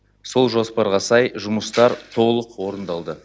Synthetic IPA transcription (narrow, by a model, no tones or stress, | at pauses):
so̞lˠʒo̞spɑɾʁɑsɑjʒʊməst̪ɑɾt̪ʰo̞lˠəqwo̞ɾənd̪ɑlˠd̪ə